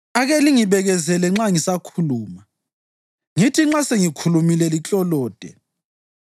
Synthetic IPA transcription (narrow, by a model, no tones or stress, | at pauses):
aɣɛliŋiβɛɣɛzɛlɛŋ͡ǁaŋisakʰuluːma | ŋitʰiŋ͡ǁaseŋikʰulumilɛlit͡ɬʼɔlɔːd̥ʱɛ̰